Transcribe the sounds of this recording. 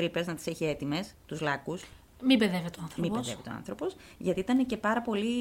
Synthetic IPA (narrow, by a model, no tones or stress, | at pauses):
ɾipeznɐt̪i̥se̞çie̞t̪ime̞st̪uzlɐkus | mibeðevit̪oɐnθɾmibeððḛvit̪oɐ̰nθɾo̞po̞sʝɐt̪iit̪ɐne̞cepɐɾɐpo̞li